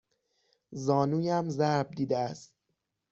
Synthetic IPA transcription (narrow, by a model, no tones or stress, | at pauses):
zɒːnuːjæmzæɾb̚d̪iːd̪eæst̪̚